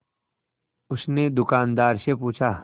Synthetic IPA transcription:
ʊsned̪ʊkaːnd̪aːɾsepuːt͡ʃʰaː

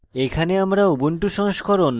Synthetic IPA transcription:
ekʰaneamɾaubuɳʈuʃɔŋʃkɔɾon

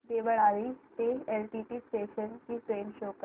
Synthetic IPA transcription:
d̪eʋəɭaliːst̪eelʈiʈiːsʈeɕənkiːʈɾenɕok

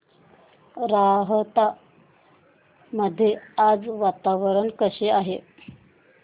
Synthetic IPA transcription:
ɾaɦət̪a | məd̪ʱːjead͡zʋat̪aʋəɾəɳkəɕeaɦe

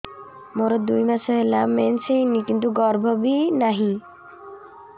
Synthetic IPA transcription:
moɾɔd̪ujmasɔɦelamensẽnikint̪uɡɔɾbʱɔbinaɦĩ

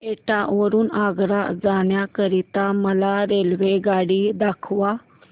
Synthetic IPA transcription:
eʈaʋəɾuːnaɡɾad͡zaɳjakəɾit̪aməlaɾelʋeɡaɽid̪akʰʋa

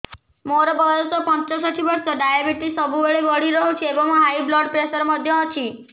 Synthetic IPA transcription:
moɾɔbɔɾɔsɔpɔ̃nt͡ʃɔsɔʈʰiʋɔɾsɔɖajebiʈisɔbʱubeɭebɔɽiɾɔɦut͡ʃʰiebɔmãɦaiblɔɖpɾesɔɾmɔd̪ʱjɔɔt͡ʃʰi

